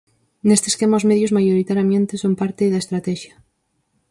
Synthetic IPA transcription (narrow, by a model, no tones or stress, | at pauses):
nest̪e̥skemaozmeðjozmajoɾit̪aɾjamẽnt̪esompaɾt̪ɪðaest̪ɾat̪ɛʃjɐ